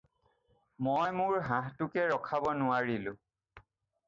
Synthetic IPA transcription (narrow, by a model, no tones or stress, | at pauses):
mojmʊɹɦãɦtʊkɛɹɔkʰabɔnʊwaɹilʊ̃